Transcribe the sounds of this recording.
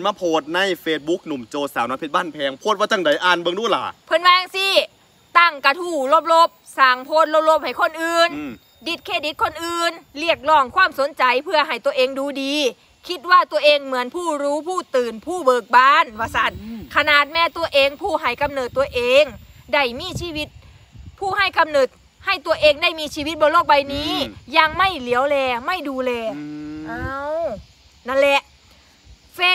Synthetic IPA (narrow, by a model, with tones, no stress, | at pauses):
nmaː˧˩pʰoː˧˩t̪̚na˧˥˩jfeː˧t̪̚bu˦˥k̚nu˨˩˦mt͡ɕoː˧saː˨˦wnɔ˧˥pʰi˧t̪̚baː˧˥˩npʰɛː˧ŋpʰuː˥˩t̪waː˧˩t̪a˧˩ŋda˨˩˦jʔaː˧nbɤ˧ŋduː˧˥˩la̰˨˩pʰɤ˧˥nwaː˧ŋsiː˧˥˩ | t̪a˧˥˩ŋka˧t̪ʰuː˧˩lo˧˥˩p̚lo˧˩p̚saː˨˩ŋpʰoː˧˥˨t̪̚lo˧˩p̚lo˧˥p̚ha˨˩jkʰo˧˥nʔɯː˧n | di˧˥t̪̚kʰeː˧˩di˨˦t̪̚kʰo˧˥nʔɯː˧nli˧˩ək̚lɔː˧˩ŋkʰwaː˧˥˨mso˨˦nt͡ɕa˨˩jpʰɯ˧˩ɐɦa˨˩jt̪u˧ɐʔeː˧ŋduː˧diː˧ | kʰi˧˥t̪̚waː˧˩t̪u˧ɐʔeː˧ŋmɯ˩˦ənpʰuː˧˥˩ɾuː˦˥pʰuː˥˩t̪ɯː˨˩npʰuː˥˩bɤː˨˩k̚baː˧˥˩nwaː˧˩sa˨˦t̪̚kʰa˧naː˨˩t̪̚mɛː˧˥t̪u˧ɐʔeː˧ŋpʰuː˥˩ɦa˧˩jka˧mnɤː˨˩t̪ːu˧ɐʔeː˧ŋda˧˩jmiː˧˥siː˧˩wi˦˥t̪̚ | pʰuː˥˩ha˧˥˩jka˧mnɤː˨˩t̪̚ | ha˧˩jt̪u˧ɐʔeː˧ŋda˥˩jmiː˧sʰiː˧˩wi˧˦˥t̪̚bɔː˧loː˥˩k̚ba˧jniː˦˥ja˧ŋma˥˩jli˨˦əwlɛː˧ma˥˩jduː˧lɛː˧ʔaː˧˩˧w | na˧˥˩nlɛ˧ʔ | feː˧˥